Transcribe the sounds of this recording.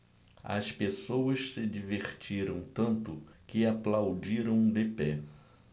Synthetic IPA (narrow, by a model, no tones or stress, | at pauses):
ɐ̰spesowɐʃsɪd͡ʒiveχt͡ʃiɾɐ̃w̃t̪ɐ̃nt̪ʊkɪaplawd͡ʒiɾɐ̃w̃d̪epɛ